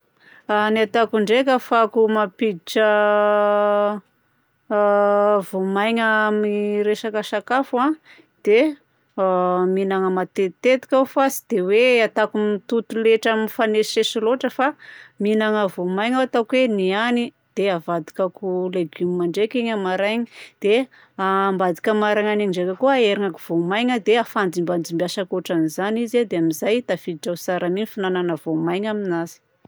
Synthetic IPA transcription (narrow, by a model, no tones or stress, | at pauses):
aniat̪akuɳɖ͡ʐekʲəfakumapid̪iʈ͡ʂə | vomajɲəmiɾeʃakəsakafã | d̪̥e | minaŋəmat̪et̪et̪i̥kʲawfasi̥d̪̥eweat̪akumt̪ut̪uleʈ͡ʂamifanesesiloʈ͡ʂəfaminaŋəvomajŋaat̪akweniani | d̪̥eavad̪ikakuleɡumimaɳɖ͡ʐekeɲamaɾajɲid̪̥e | ambad̪ikʲamaɾajŋaniŋɳɖ͡ʐekakuaeɾiŋaku̥v̥omajɲəd̪eafand͡zimband͡zimbiaʃakoʈ͡ʂanizanized̪eamizajt̪afid̪iʈ͡ʂawsaɾaminifinananəvomajɲaminazi̥